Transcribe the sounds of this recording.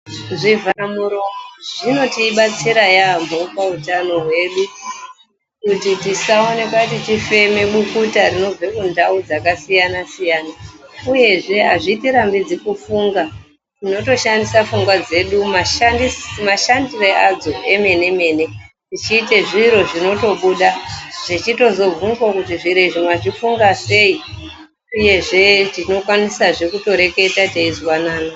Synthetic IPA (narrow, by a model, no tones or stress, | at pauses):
ʐivamuɾooʐ̥ino̞tiːɓat͡siɾajamopautano̞ɦwe̞ɗu | kutitisaone̞kwatitife̞me̞ɓukutarino̞b͡vekundaud͡zakasijanasijaːnauje̞ʐe̞ɦaʐiːtiɾambid͡zikufuːŋɡa | tino̞to̞ʃandisafuŋɡwad͡ze̞ɗumaʃandismaʃandiread͡zo̞e̞me̞ne̞me̞ːne̞ | tit͡ʃiːteʐiɾo̞ʐino̞to̞ɓuɗaʐ̥it͡ʃito̞zo̞b͡vunzwakutiʐiɾeʐimaʐifuŋɡase̞i | uje̞ʐe̞tino̞kwanisaʐe̞kuto̞ɾe̞ke̞tateizwanaːna